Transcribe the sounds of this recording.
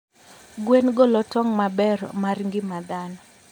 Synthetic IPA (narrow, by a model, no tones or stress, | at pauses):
ɡwenɡɔlɔtɔŋmabɛɾmarŋɡɪmad̪anɔ